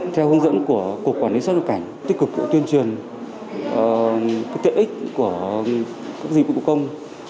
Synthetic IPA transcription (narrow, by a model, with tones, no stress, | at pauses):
t̪ʰɛ˧whɨ˧˦nzə̰˧˥nku˧˩əku˨˩əkːwaː˧˩nli˨˦sa˦˥a˨˩ka˧˩jŋ̟t̪i̟˦˥kɨ˨˩k̚zṵ˧˥t̪wi˧ənt͡ɕwi˨˩ənː˨˩ | ka˦˥kt̪ḛ˧˨ʔï˦˥k̟̚ku˧˩ə | kaː˦˥k̚zḭ˨˩˨kkə˧wŋ͡m